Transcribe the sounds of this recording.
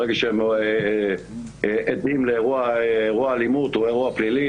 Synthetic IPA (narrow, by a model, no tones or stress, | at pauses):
eɡaʃeem | ʔed̪imleːʁuaːʁuaːlimut̪oeʁuaplili